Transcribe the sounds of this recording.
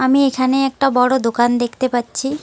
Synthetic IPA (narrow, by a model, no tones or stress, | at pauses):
amiekʰaneɛk̚ʈabɔɽod̪okand̪ekʰt̪epatːɕʰi